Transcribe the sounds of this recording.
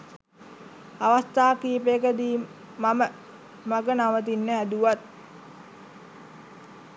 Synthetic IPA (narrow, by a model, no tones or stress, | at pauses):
aʋast̪aːkiːpekəd̪iː | mamə | maɡənaʋət̪̬inːəɦæd̪uʋat̪̚